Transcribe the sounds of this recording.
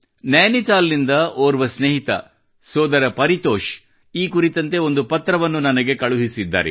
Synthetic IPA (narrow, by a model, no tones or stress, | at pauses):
naːnit̪aːlːind̪ɐoːɾʋɐsneɦit̪ɐ̰ | sɔːd̪ɐɾɐpɐɾit̪oːʃ | iːkuɾit̪ɐnt̪e̞o̞nd̪upɐt̪ɾɐʋɐnːunɐnɐɡe̞kɐɭuɦisid̪ːa̰ːɾḛ